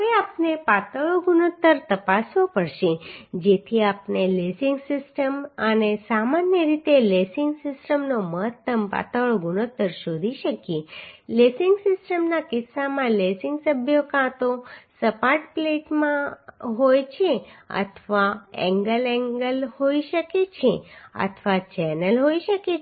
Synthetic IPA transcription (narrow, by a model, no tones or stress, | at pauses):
ɦəʋeapnepat̪əɭoɡunot̪ːəɾt̪əpasʋopəɽʃed͡ʒet̪ʰiapnelesɪŋɡsɪsʈəmənesamanjəɾit̪elesɪŋɡsɪsʈəmnoməɦət̪ːəmpa̰t̪əɭoɡunot̪ːəɾʃod̪ʱiʃəkjelesɪŋɡsɪsʈəmnakɪsːamãlesɪŋɡsəbʱjokãt̪osəpaɾʈpleʈmãɦojt͡ʃʰeə̰t̪ʰʋaɛ̰̃ŋɡəlɛ̃ŋɡəlhoiʃəket͡ʃʰeə̰t̪ʰʋat͡ʃɛnəlɦoiʃəke